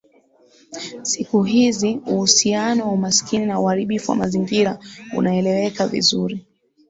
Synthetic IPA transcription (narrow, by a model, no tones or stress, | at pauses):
sikuɦiziuhusianɔwaumaskininauhaɾiɓifuwa̰maziŋɡiɾaṵnaɛlɛwɛkavḭzuɾi